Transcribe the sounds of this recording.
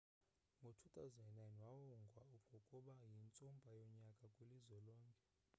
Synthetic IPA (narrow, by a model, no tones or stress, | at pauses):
ŋɡʱotʰut̪ʼawzanajnwawɔŋɡʱwaupʰɔkʼuɓajint͡sʼumbʱajɔɲakʼakʼulizɔlɔːŋkʼɛ